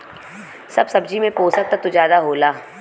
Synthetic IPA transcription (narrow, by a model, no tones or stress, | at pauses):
sɐbsɐbd͡ʒimẽpoːsɐk̚t̪at̪ud͡ʒjaːd̪aɦoːlaː